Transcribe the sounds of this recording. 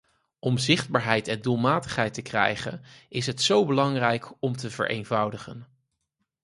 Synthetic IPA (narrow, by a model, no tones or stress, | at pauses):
ɔmzɪχd̚baːɹɦɛjtɛndulˠmaːtəχɦɛjtəkrɛ̰jχə̰nɪsɦətsowbəlɑŋrɛjkɔmtəvə̰ɹʔḛjnvɑwdəχən